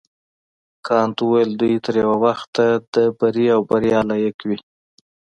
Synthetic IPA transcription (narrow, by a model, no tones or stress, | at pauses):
kʰɑnt̪uwajəld̪ujt̪əɾjawawaxt̪ad̪əbaɾiawbaɾjɑlajekwi